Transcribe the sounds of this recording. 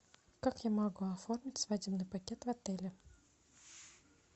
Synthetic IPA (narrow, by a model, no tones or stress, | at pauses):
kakjamɐɡuɐfo̞rmʲɪtʲsvadʲɪbnɨjpɐkʲet̪vɐt̪ɛlʲɪ